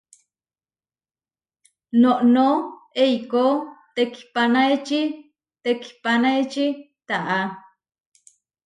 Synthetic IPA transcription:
noʔnoejkot̪eki̥panaet͡ʃi | t̪eki̥panaet͡ʃi | t̪aʔa

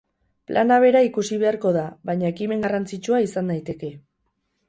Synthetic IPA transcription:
plʔanaβ̞e̞ɾaikusiβ̞e̞aɾko̞ðaβajɲae̞kime̞ŋɡarant͡sit͡ʃuaisand̪ajt̪e̞ke̞

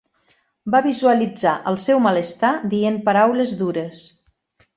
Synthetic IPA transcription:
baβizuəlid͡zaʔəlˠsɛwmələst̪ad̪iempəɾawləzd̪uɾəs

